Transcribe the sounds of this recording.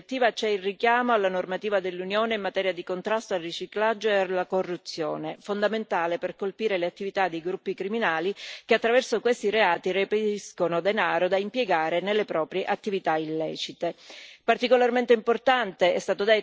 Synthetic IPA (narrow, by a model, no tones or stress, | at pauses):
t̪ːiːvat͡ʃɛilrikjaːmoalːanormat̪iːvad̪elːunjoːneimːat̪ɛːɾjad̪ikont̪ɾast̪oalrit͡ʃiklad͡ʒːoealːakorːut̪sːjo̰ːnefond̪ament̪aːleperkolpiːɾeleat̪ːivit̪ad̪ːejɡɾupːikɾiminaːlikeat̪ːɾavɛrsokwest̪iɾeaːt̪irepeiskonod̪enaːɾod̪aimpjeɡaːɾenelːepɾɔːpɾjeʔat̪ːivit̪ailːɛ̰ːt͡ʃit̪epart̪ikolarment̪eimport̪ant̪eɛ̰st̪aːt̪od̪e